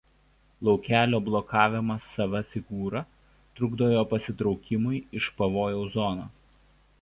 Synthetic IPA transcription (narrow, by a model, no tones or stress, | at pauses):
lˠɒʊkʲæːlʲoːblˠɔkɑːʋʲɪmɐsːɐʋɐfʲɪɡuːɾɐ | t̪ɾʊɡd̪oːjoːpɐsʲɪt̪ɾɒʊkʲɪmʊɪɪʃpɐʋoːjoʊzɔnoː